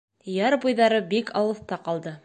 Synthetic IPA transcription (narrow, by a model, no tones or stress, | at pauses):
jɑɾbujðɑɾɤbikɑwɤ̆θt̪ɑqɑlˠd̪ɤ